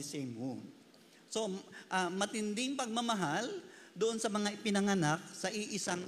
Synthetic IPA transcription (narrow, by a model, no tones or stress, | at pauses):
sɛmo | so̞ʔamɐt̪ɪnd̪ɪŋpɐɡ̚mɐmɐɦald̪ʊʔonsɐmɐŋaʔɪpɪnɐŋɐnak̚sɐʔɪʔɪsaŋ